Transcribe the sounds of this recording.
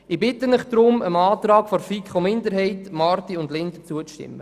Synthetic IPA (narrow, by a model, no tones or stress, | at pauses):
ɪbɪtːənɪχd̪̥ɾʊməmɑːt̪rɑːɡ̥fɔɾfikχomɪndəɾɦɛɪtmɑrtiʊndlɪnd̪ət͡suət͡stɪ̰mːə